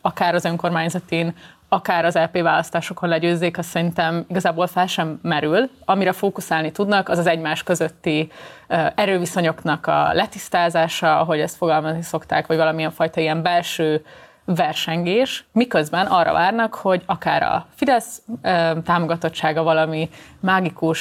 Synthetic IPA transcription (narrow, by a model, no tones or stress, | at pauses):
ɒkaːɾɒzø̞ŋko̞rmaːɲzɒt̪iːn | ɒkaːɾɒzɛlpeːvaːlɒst̪aːʃo̞ko̞nlɛɟøːzːeːkɒsːɛɾint̪ɛmiɡɒzaːbo̞lfɛlʃɛmːɛɾylɒmiɾɛfoːkusaːlnit̪ud̪nɒkɒzɒzɛɟmaːʃkø̞zøt̪ːi | ɛɾøːviso̞ɲo̞knɒkɒ̰lɛt̪ist̪aːzaːʃɒɒɦo̞ɟɛst̪fo̞ɡɒlmɒzniso̞kt̪a̰ːkʋɒɟvɒlɒmiɛɱfɒjt̪ɒiɛmbɛlʃøː | vɛrʃɛŋɡeːʃmikøzbɛnʔɒrːɒ̰vaːrnɒkho̞ɟɒkaːɾɒ̰fid̪ɛsøːt̪aːmo̞ɡɒt̪o̞t͡ʃt͡ʃːaːɡɒvɒlɒmimaːɡikuʃ